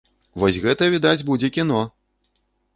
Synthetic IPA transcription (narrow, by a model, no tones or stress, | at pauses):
vɔsʲɣɛt̪ɐvʲid̪ad͡zʲbud͡zʲɛkʲinɔ